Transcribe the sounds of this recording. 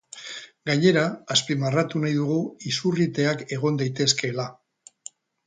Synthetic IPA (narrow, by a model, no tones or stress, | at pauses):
ɡaɲe̞ɾaːspimarat̪unajðuɣ̞uisurit̪e̞ake̞ɣ̞o̞nd̪ajt̪e̞ske̞la